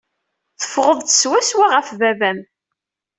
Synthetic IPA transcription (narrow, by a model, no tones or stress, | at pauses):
θə̥fʁəðˤt̪ə̥swæswaʁəfvævæm